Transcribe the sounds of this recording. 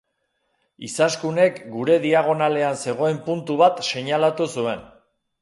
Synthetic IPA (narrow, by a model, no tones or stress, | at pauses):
isaskune̞kɡuɾe̞ðiaɣ̞o̞nale̞anse̞ɣ̞o̞e̞mpunt̪uβat̪se̞ɲalat̪usue̞n